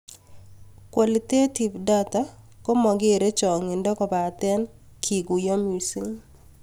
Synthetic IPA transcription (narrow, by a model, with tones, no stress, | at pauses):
kwa˨li˨te˦ti˨vda˦ta˦kɔ˦mɔ˨ɡɪ˦˨ɾe˦t͡ʃɔ˨ŋɪ˨ndɔ˦kɔ˨ba˨t̪ɛ˦n | kʰi˨ɡu˨jɔ˦mu˨si˦ŋ